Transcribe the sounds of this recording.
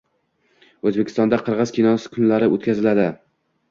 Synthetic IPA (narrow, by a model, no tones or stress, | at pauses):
ɵzbekʲɪ̥st̪ɒnd̪aqʰɨɾʁɨzkʲinɒsɪ̥kʰʊnlaɾɪʔo̰t̪kʲazɪlad̪ɪ